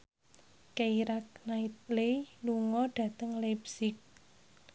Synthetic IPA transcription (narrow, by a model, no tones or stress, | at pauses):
keiɾak̚nait̪̚leluŋɔɖ̥a̤t̪əŋlebsɪk̚